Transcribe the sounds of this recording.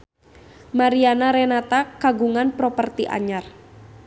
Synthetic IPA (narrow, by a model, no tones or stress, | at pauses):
maɾianaɾɛnat̪akaɡuŋanpɾɔpərt̪iʔa̰ɲar